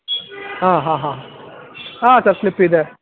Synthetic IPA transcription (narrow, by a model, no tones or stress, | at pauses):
ɦãːɦãːɦã | aːsaɾslipːid̪e